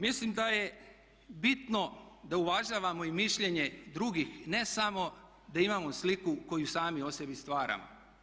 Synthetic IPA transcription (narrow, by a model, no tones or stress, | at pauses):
mislimd̪aje̞ | bit̪no̞d̪auʋaʒaʋamo̞imiʃʎe̞ɲe̞d̪ɾuɡixne̞samo̞ | d̪aimamo̞slikuko̞jusaːmio̞se̞bist̪ʋaːɾa̰mo̰